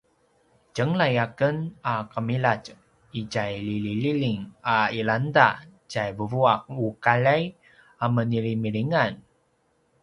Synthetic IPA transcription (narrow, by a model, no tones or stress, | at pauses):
d͡ʒəŋlajakənakəmilat͡ʃ | iɟajlilililiŋailanda | ɟajvəvuak̚ukalaj | aməniɾimiɾiŋan